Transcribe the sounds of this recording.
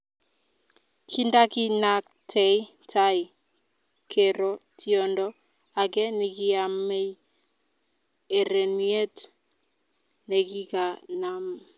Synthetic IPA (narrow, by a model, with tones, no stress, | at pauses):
kʰi˦nda˦ki˦na˨k̚ | tʰɛ˨˦j | tʰa˦i˨ | kʰe˨ɾɔ˦ti˦ɔ˦ndɔ˦ | a˨kɛ˦ni˨ki˦a˨me˦j | e˨ɾe˨nie˦t | ne˨ki˦ka˨na˨m